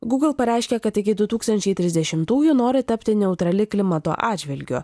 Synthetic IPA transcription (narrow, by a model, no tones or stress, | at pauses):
ɡuːɡlˠpɐɾʲɛˑɪʃʲkʲɛkɐt̪ɪkʲɪd̪ʊt̪uːkst̪ɐnʲt͡ʃʲɛɪt̪ʲɾʲɪzʲd̪ʲɛʃʲɪmt̪uːjʊnoːɾʲɪt̪ɐpʲt̪ʲɪnʲɛʊt̪ɾɐlʲɪklʲɪmɐt̪o̰ːʔɑːd͡ʒʲʋʲɪlʲɡʲo̰ː